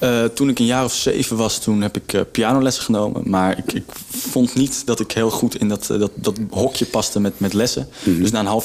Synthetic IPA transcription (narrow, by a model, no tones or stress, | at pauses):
ətunɪkənjaːrɔfsḛjvəʋɑstunɦɛpɪkːpiaːnowlɛsə̥χənowmə̰maːɹɪ̰kɪkfɔntnitdɑtɪkɦɪːlˠχutɪndɑtdɑtdɑtɦɔkjəpɑstəmɛtmɛtlɛsə̰d̥ɵs̬naːənɦɑlˠ